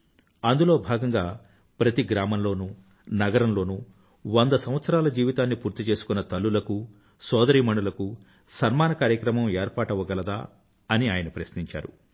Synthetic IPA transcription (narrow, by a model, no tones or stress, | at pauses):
ɐnd̪ulo̞ːbʱaːɡɐŋɡaː | pɾɐt̪iɡɾaːmɐmlo̞ːnu | nɐɡɐɾɐmlo̞ːnu | ʋond̪ɐsɐm̃ʋɐt̪sɐɾaːlɐd͡ʒiːʋit̪aːnːipuːɾt̪it͡ʃe̞ːsu̥kunːɐt̪ɐlːulɐku | sɔːd̪ɐɾiːmɐɳɖulɐku | sɐɾmaːnɐkaːɾjɐkɾɐmɐmeːɾpaːʈɐʋɐɡɐlɐd̪aː | ɐniaːjɐnɐpɾɐsniɲt͡ʃa̰ːɾṵ